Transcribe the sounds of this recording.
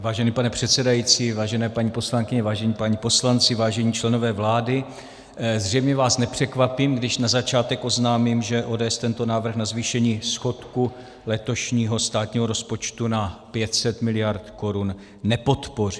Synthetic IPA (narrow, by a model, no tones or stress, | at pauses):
vaːʒɛniːpanɛpr̥ɛt̪sɛdajit͡siːvaːʒɛnɛːpaɲiːpo̞slaŋkɪɲɛvaːʒɛɲiːpaɲiːpo̞slant͡sɪvaːʒɛɲiːt͡ʃlɛno̞vɛːvlaːdɪ | zr̝ɛjmɲɛvaːsnɛpr̝̥ɛkvapiːmɡdɪʃnazat͡ʃaːt̪ɛkʔo̞znaːmimʒɛʔoːdɛɛst̪ɛnt̪o̞naːvr̩xnazviːʃɛɲiːsxo̞t̪ku | lɛt̪o̞ʃɲiːɦo̞st̪aːt̪ɲiːɦoɾo̞spo̞t͡ʃt̪unapjɛt̪sɛt̪mɪlɪjaɾt̪ko̞ɾunː | ɛpo̞t̪po̞ri